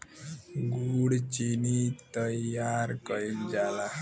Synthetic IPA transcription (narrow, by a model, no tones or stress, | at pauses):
ɡuɽt͡ʃinit̪əjaɾkəind͡ʒala